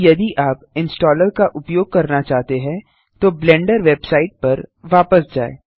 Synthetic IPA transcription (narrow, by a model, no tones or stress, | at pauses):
jɐd̪iʔaːpɪ̃nsʈɔːləɾkaʔʊpjoːɡ̚kɐɾnat͡ʃaːɦt̪eɦɛ̃ | t̪oblɛ̃ːɳɖəɾʋeːbsaːɪʈ̚pɐɾʋaːpəsd͡ʒaːḛː